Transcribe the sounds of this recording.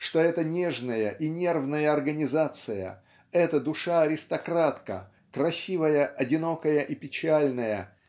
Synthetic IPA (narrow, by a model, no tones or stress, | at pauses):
ʂt̪o̞ɛt̪ənʲeʐnəjəʔinʲe̞rvnəjəɐrɡənʲɪzat̪sɨjə̰ | ɛt̪əd̪ʊʂaɐɾʲɪst̪ɐkɾat̪kə̰ | kɾɐsʲivəjəʔɐdʲɪno̞kəjəʔipʲɪt͡ɕælʲnəjə